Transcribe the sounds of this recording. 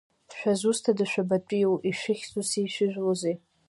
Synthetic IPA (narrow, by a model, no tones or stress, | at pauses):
ʃᶣazustʰadɨʃᶣabat͡pʷʼijwʔiʃʷᶣɪχʲt͡sʼusiʃʷɪʒᶣʷlozej